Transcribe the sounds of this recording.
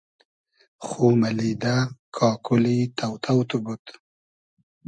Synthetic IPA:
xumalid̪akʰɑːkʰulit̪awt̪ʰawt̪ubut̪

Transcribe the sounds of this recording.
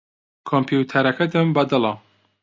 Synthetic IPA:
kʰompʰjut̪ʰɐɾɐkʰɐd̪ɐmbɐd̪ɨlɐ

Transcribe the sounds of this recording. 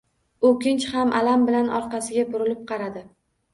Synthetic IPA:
okʲɪnt͡ʃhamʔalambɪlanʔɒ̰ɾqɑsɪɡʲabʊɾɪlɪp̚qʰɑɾad̪ɪ

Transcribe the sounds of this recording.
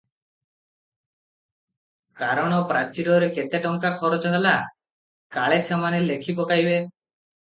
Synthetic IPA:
kaɾɔɽ̃ɔpɾat͡ʃiɾɔɾeket̪eʈɔŋkakʰɔɾɔt͡ʃɔɦela | kaɭesemanelekʰipɔkaɦjbe

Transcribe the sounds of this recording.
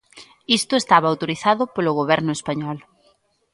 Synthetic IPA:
ist̪ʊest̪aβaawt̪oɾiθaðʊpolʊɣoβɛɾnʊespaɲɔl

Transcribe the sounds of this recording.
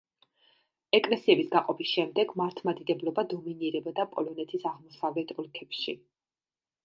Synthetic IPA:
ɛkʼlɛsiɛbisɡaqʼɔpʰisʃɛmd̪ɛɡmaɾt̪ʰmad̪id̪ɛblɔbad̪ɔminiɾɛbad̪apʼɔlɔnɛt̪ʰisaʁmɔsavlɛt̪ʰɔlkʰɛpʃi

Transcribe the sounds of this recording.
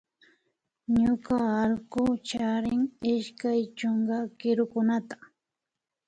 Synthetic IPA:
ɲʊkaːlkʊt͡ʃaɾɪŋɪʃkajt͡ʃoɴɢɑkɪɾʊkʊnat̪ḁ

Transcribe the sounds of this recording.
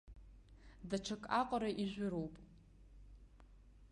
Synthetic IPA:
daʈ͡ʂʰakʼaqʷʼɾaʔiʒᶣʷʊɾowpʼ

